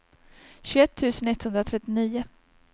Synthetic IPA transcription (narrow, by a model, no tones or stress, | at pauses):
ɕʉɛt̪ʰːʉ̟ːsənɪt̪ːhɵnd̪ɾat̪ʰɾɛt̪ːɪniːʊ